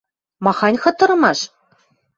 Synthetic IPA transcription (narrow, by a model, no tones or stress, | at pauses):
mɑχɑnʲχɤ̆t̪ːɤ̆ɾɤ̆mɑʂ